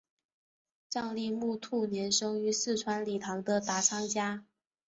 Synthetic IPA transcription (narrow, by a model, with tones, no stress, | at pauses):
ʈ͡ʂɑ˥˧ŋli˥˧mu˥˧t̪ʰu˥˩njɛ˧˥nʂɤ˥ŋy˧˥sɹ̩˥˩ʈ͡ʂʰwa˧˥nli˨˩t̪ʰɑ˧˥ŋd̪ə˧t̪a˧˥t͡sʰɑ˥ŋt͡ɕja˥